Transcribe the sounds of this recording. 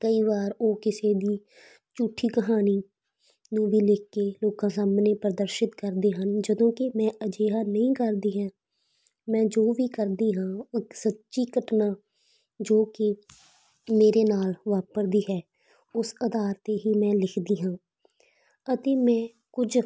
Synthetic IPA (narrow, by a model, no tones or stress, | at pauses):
kəiːʋaːɾoːkɪseːd̪iː | t͡ʃuːʈʰiːkəɦaːniː | nũːʋiːlɪkːeːloːkãːsaːmneːpɾəd̪əɾʃɪt̪kəɾd̪eːɦənd͡ʒəd̪õːkɪmɛ̃ːəd͡ʒeːɦaːnəĩːkəɾd̪iːɦɛː | mɛ̃ːd͡ʒoːʋiːkəɾd̪iːɦãːɪksətːʃiːkəʈnãː | d͡ʒoːkɪ | meːɾeːnaːlʋaːpəɾd̪iːɦɛː | ʊsəd̪aːɾt̪eːɦiːmɛ̃ːlɪkʰd̪iːɦãː | ət̪eːmɛ̃ː | kʊd͡ʒ